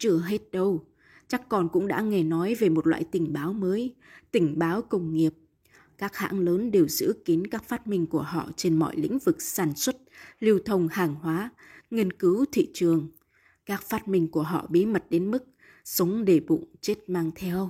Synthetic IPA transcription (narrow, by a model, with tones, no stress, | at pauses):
t͡ɕɨ˧˩əɦe˦˥t̚ɗə˧w | t͡ɕa˦˥kːɔ˨˩nkʊ̰˧˥ŋ͡mɗa̰ː˧˥ŋe˨˩nɔ˨˦jve˨˩mo˨˩t̚lwa̰ː˧˨jt̪ï˧˩ŋ̟ɓaː˨˦wməː˨˦jt̪ï˧˩ŋ̟ɓaː˨˦wkə˧wŋ͡mŋi˨˩əp̚ | kaː˦˥k̚ha̰ː˧˥ŋləː˨˦nɗe˨˩wz̥ɨ̰˧˥ki˨˦ənkaː˦˥k̚faː˦˥t̚mï˧ŋ̟ku˧˩əɦɔ̰˧˨t͡ɕe˧nmɔ̰˧˨jlḭ˧˥ŋ̟vɨ˨˩k̚saː˧˩nswə˦˥t̚li˧əwt̪ʰə˧˩wŋ͡mhaː˨˩ŋhwaː˨˦ | ŋi˧ənkɨ˨˦wt̪ʰḭ˧˨t͡ɕɨ˨˩əŋ | kaː˦˥k̚faː˦˥t̚mï˧ŋ̟ku˧˩əɦɔ̰˧˨ɓi˨˦mə˨˩t̚ɗe˨˦nmɨ˦˥k̚ | sə˨˦wŋ͡mɗe˧˩ɓʊ̰˧˨ŋ͡mt͡ɕe˦˥t̚maː˧ŋt̪ʰɛ˧w